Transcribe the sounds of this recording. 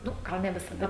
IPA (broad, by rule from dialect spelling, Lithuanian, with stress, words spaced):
ˈnʊ ˈɡɐlˠ nʲɛ ʋʲɪsɐˈdɐ